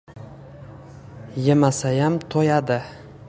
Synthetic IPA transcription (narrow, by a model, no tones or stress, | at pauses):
jemasajamt̪ʰojad̪ɪ